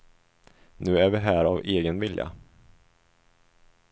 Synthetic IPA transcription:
nʉ̟ːæɾvɪɦæːɾaveːɡənvɪlja̰

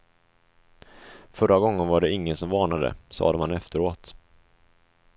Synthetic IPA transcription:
fœɾaɡɔŋːənvaɖɛɪŋːənsɔmvɑːɳad̪ə̰sɑ̰ːd̪əmhanɛft̪əɾoːt̪

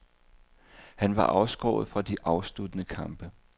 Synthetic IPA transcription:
hænʋɑ̈ʔɑ̈ʊsɡ̥ɒ̰ːʊð̞̩ˠfʁɑ̈d̥iʔɑ̈ʊslud̥ənəkʰɑ̈mb̥ə

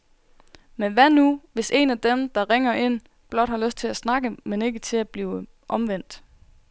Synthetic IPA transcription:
menʋænuʋe̝se̝næd̥emd̥ɑ̈ʁeŋɐʔe̝n̰ | b̥lɒ̽d̥hɑ̈løsd̥̚t͡sʰe̝læsnɑ̈ɡ̥əmene̝ɡ̥ət͡sʰe̝æb̥liː | ʔɒ̽mʋen̰d̥

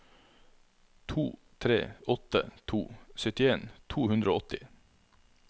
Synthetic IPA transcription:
t̪ʰuː | t̪ʰɾḛːɔt̪ə̰t̪ʰṵːsœt̪ɪeːnt̪ʰuːhʉnd̪ɾoːɔt̪ɪ

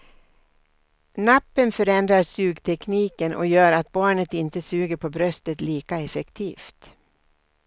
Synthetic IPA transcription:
napːənfœɾɛnd̪ɾasʉ̟ːɡt̪ʰɛkniːkənʔɔ̰jœːɾat̪̚bɑːɳət̪ɪnt̪əsʉːɡəɾpʰɔbɾœst̪ət̪liːkaɛfɛkt̪ʰiːft̪

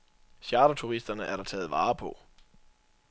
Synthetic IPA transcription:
ɕjɑːɾ̥ɐt͡sʰuʁisd̥ɐnəʔæɐɾ̥ɑ̈t͡sʰɛ̰ːð̞̩ˠʋɑ̈ːpʰɔ̽

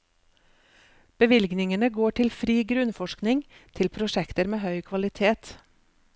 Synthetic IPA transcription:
b̥əʋɪlɡnɪŋənəɡoːʈʰɪlfɾiːɡɾʉnfɔʃknɪŋt̪ʰɪlpʰɾʊʃɛkt̪əɾmeːhœʏkʰʋɑlɪt̪ʰeːt̪

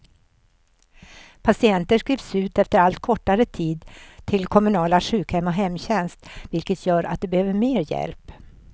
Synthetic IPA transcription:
pʰasɪɛnt̪əʂkɾiːvsʉ̟ːt̪ɛft̪əɾalt̪kʰɔʈːaɾət̪ʰiːd̪t̪ʰɪlkʰɔmɵnɑːlaʂʉ̟ːkhɛmːɔɦɛmːɕɛnst̪vɪlkət̪ʰjœːɾʔa̰t̪̚d̪ɛbɛhøːvəɾmeːɾjɛ̰lp

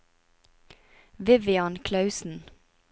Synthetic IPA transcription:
ʋɪʋɪɑːnkʰlɑʉsn̩

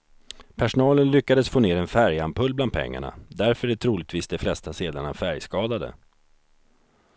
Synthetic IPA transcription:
pʰæʂʊnɑːlənlʏkːad̪əsfoːneːɾɛnfæɾjampʰɵlbland̪̚pʰɛ̰ŋːa̰ɳa̰d̪æɾfœɖɛt̪ʰɾuːlɪɡ̚t̪viːsd̪ɛflɛst̪aseːd̪aɳafæɾjskɑːd̪ad̪ə̰

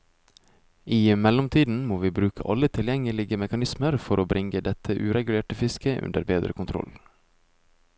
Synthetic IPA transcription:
ʔiːmɛlɔmt̪ʰiːd̪n̩moːʋiːbɾʉːkʰə̰ʔɑlːət̪ʰɪljɛŋəlɪɡəmɛkɑnɪsməɾfɔɾʔoːbɾɪŋəd̪ɛt̪ʰəʔʉːɾɛɡʉleːʈəfɪskəʔʉ̰nd̪ə̰ɾbeːd̪ɾə̰kʰʊnt̪ʰɾɔ̰l

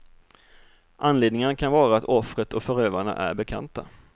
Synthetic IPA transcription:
ʔanleːd̪nɪŋanakʰanvɑːɾaːt̪ɔfɾət̪ɔfœɾøːvaɳa̰ʔæ̰ɾbɛkʰa̰nt̪a̰

